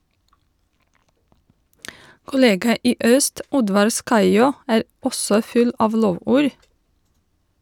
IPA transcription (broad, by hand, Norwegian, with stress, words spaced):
kʊˈleːɡɑ ˈiː ˈøːst ˈɔdʋɑɾ ˈskɑɪjoː ˈæːɾ ˈɔsɔ ˈfʉl ˈɑːʋ ˈloːʋuːɾ